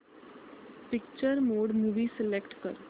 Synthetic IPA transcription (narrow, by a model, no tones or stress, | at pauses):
pɪkt͡ʃəɾmoːɖmuːʋiːsɪlekʈkə̰ɾ